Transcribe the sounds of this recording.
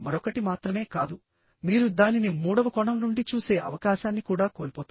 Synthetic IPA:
mɐɾɔkːɐʈimaːt̪ɾɐme̞ːkaːd̪u | miːɾud̪aːninimuːɽɐʋɐkɔɳɐmnuɳɖit͡ʃuːse̞ːʔɐ̰ʋɐkaːʃaːnːikuːɽaːko̞ːlipoːt̪u

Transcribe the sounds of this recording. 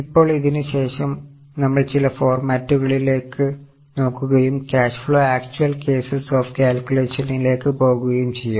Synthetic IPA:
ipːo̞ːɭiðinɨɕe̞ːʂɐm | nɐmːɐɭt͡ɕilɐfo̞ːrmaːtːuɣɐɭile̞ːkːɨ | no̞ːkːuɣɐjumkʲaːʂfɭoːaːk̚t͡ɕuɐlke̞ːsɐsoːfkʲaːlkʲjule̞ːʂɐnile̞ːkːɨpo̞ːɣuɣɐjumt͡ɕe̞jːum

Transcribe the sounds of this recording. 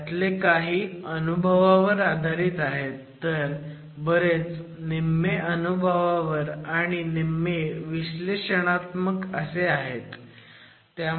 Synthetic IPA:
t̪lekaɦiːənubʱəʋaʋəɾad̪ʱaɾiːt̪aɦet̪ːəɾ | bəɾet͡s | nimeʔənubʱəʋaʋəɾaɽ̃inimːeʋiɕleɕəɽ̃at̪məkəseaɦet̪ː | ja

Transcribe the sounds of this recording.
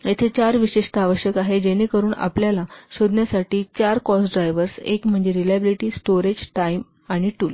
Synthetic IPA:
jet̪ʰet͡ɕaɾʋiɕeʂʈəaʋəɕjəkaɦed͡ʑeñikəɾuːna̰pljalaɕod̪ʱnjasaʈiːt͡ɕaɾkɔsɖɾajʋəɾsḛkm̤əɳd͡zeɾilabiliʈiːsʈoɾed͡ʑʈaim | aɽ̃iʈul

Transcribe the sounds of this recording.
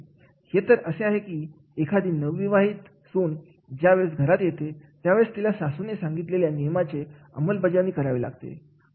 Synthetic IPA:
het̪əɾəseaɦekiː | ekʰad̪ʱiːnəʋːiʋaɦiːt̪ | suːn | d͡ʑjaʋeɭsɡʱəɾat̪jet̪et̪jaʋeɭst̪ilasasunesãŋɡit̪leljanijəmat͡se | ə̰məlbəd͡ʑaniːkəɾaʋila̰ɡt̪ḛ

